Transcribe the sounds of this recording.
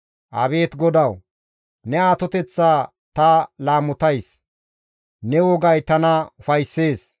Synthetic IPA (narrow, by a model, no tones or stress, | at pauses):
ʔɐ̰βe̞ːt̪ɡɔd̪ɐw | nɛaːt̪ɔt̪ɛt͡sːaː | t̪ɐlaːmʊt̪ɐjs | nɛwɔɡɐjt̪ɐnɐfɐjsːe̞ːs